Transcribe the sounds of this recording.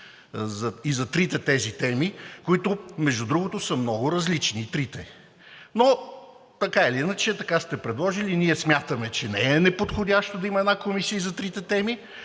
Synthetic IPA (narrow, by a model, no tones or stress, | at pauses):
zɐizɐt̪ɾit̪ɛt̪ɛzit̪ɛmikoit̪ʊmɛʒd̪ud̪ɾuɡʊt̪osəmnɔɡʊɾɐzlit͡ʃniːt̪ɾit̪ɛ | no | t̪ɐkailiinət͡ʃɛt̪ɐkast̪ɛpɾɛd̪lˠɔʒiliniɛsmʲjat̪əmɛt͡ʃɛnɛɛnɛpot̪xodʲaʃt̪od̪ɐimɐɛd̪akomisiəizɐt̪ɾit̪ɛt̪ɛmi